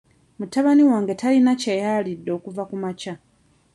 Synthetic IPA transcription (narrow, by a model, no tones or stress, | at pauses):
mutːaβaniwaːŋɡe̞tʰalinacejaːlidːo̞ːkuvakumaca